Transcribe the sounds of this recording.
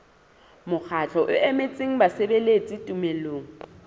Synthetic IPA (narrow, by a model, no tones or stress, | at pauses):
mʊk͡xʰat͡ɬʰɔʔʊ̰ʔɛmet͡sʼiŋ̩basebelet͡sʼitʼumeloːŋ̩